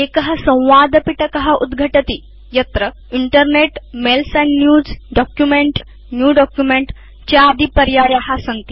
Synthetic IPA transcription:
ekəɦəsə̃w̃ʋad̪piʈəkəɦaʔud̪ɡʱəʈət̪iː | jɐt̪ɾə | iɳʈəɾneʈmelsənːjuːd͡zɖɔkjumeɳʈ | njuːɖɔkjumeɳʈ | t͡ɕaːd̪ʱipəɾjaɾjaɦasəŋɡt̪i̥

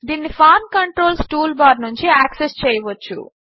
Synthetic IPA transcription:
d̪iːnːipʰaːɾmkɐɳʈɾo̞ːlsʈuːlbaːɖnuɲt͡ʃiaːksest͡ʃɛːjɐʋot͡ʃːṵ

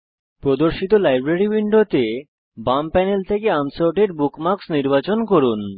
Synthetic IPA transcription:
pɾod̪oɾʃit̪olajbɾeɾibiɳɖot̪e | bampɛnelt̪ʰekeamsoɾʈeɾbukmaksniɾbat͡ɕonkoɾun

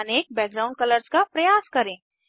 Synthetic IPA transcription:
ɐneːk̚bɛːɡ̚ɾaːʊ̃ɳɖkɐləɾskapɾɐjaːskɐɾẽː

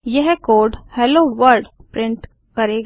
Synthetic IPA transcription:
jɛɦkoːɾɖhɛːloːʋəɾɖpɾɪ̃ɳʈ | kɐɾeːɡ

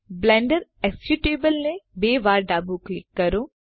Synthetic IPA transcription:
blɛ̃ːɳɖəɾɛkskjuʈeːbəlnẽbeːʋaːɾɖaːbuklɪkːɐɾoː

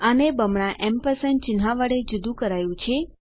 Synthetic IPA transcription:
ənebəmɳãʔɛmpəsən̚t͡ʃɪnɦaʋəɽed͡ʒud̪ũkəɾajũt͡ʃʰe

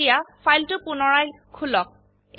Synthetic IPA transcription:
ijafʰajltʊpunɔɹaj | kʰulɔk̚

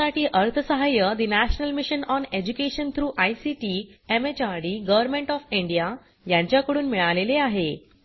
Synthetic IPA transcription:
aʈʰiːʔəɾt̪ʰəsəɦajəd̪inæɕənəlmiɕənɔned͡ʑukeɕənt̪ʰɾuːʔajsiʈiːemet͡ɕaɽiːɡəʋəɾmẽɳʈɔfiɳɖija | jãɲt͡ɕjakəɽuːnmiɭaʋleleaɦe

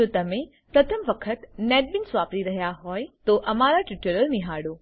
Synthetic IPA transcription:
ot̪ɐmẽ | pɾɐt̪ʰəmʋɐkʰət̪nɛːʈ̚bɪnsʋaːpɾiɾɐɦijaɦoːɪt̪oʔɐmaːɾaʈɪʈəɾəɾmĩɦaːɽoː

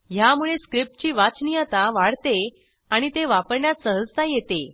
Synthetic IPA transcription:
jamuɭeskɾip̚ʈ̚t͡ɕiːʋat͡snijət̪aʋaɽ̤t̪e | aɽ̃it̪eʋapəɾɳjat̪səɦəd͡zt̪ajet̪e

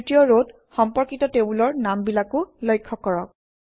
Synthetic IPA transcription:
tijɔɹod | xɔmpɔɹkitɔtebulɔɹnambilakʊlɔjkʰːɔkɔɹɔk̚

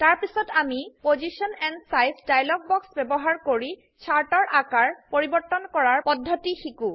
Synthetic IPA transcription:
taɹpisɔtamipozisiɔnɛnsajnsdajlɔɡ̚bɔksbɛbɔɦaɹkoɹi | t͡ʃʰaɹtɔɹʔakaɹpoɹibɔɹtːɔnkɔɹaɹpɔdʱːɔtixikũ

